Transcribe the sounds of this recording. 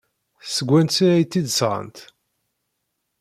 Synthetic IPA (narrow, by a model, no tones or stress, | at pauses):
θsəɡʷːænsiɾæjt̪ːid̪sʁə̰nt̪